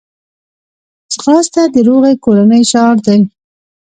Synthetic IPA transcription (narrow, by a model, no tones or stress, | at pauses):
sxɑst̪ad̪əɾoɣekoɽanəjʃɑɾd̪aj